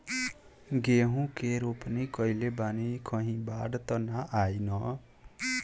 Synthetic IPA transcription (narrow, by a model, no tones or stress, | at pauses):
ɡeɦũkeɾopnikʌilebanikʌɦĩbaɽt̪ʌnaʔajnʌ